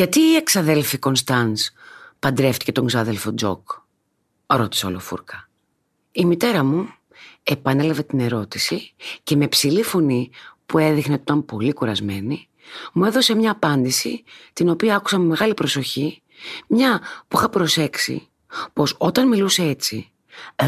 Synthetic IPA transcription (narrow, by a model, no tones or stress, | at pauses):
ʝɐt̪iːe̞ksɐðe̞lfiko̞ns̬t̪ɐnspɐnd̪ɾe̞ft̪i̥ce̞t̪oŋzɐðe̞lfo̞d͡zo̞̰k | ɾo̞t̪i̥seolo̞̰fṵɾkɐ | imit̪e̞ɾɐmu | e̞pɐne̞lɐve̞t̪ine̞ɾo̞t̪isice̞me̞psilifo̞nipue̞ðixneot̪it̪ɐmpo̞likuɾɐzme̞ni | mue̞ðo̞se̞mɲɐːpɐnd̪isit̪ino̞piɐɐku̥sɐmeme̞ɣɐlipɾo̞so̞çi | mɲɐpuixɐpɾo̞se̞ksḭ | po̞so̞t̪ɐnmiluse̞et͡si